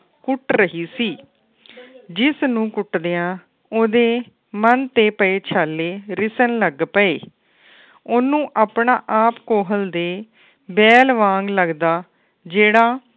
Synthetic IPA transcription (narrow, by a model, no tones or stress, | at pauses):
kʊʈɾəɦiːsiː | d͡ʒɪsnũːkʊʈd̪eːãː | oːd̪eː | mənt̪eːpəeːt͡ʃʰaːlːeːɾɪsənləɡpəeː | ʊnũːʔaːpɳaːʔaːpkoːɦəld̪eː | bɛːlʋãːŋɡləɡd̪aː | d͡ʒeːɽaː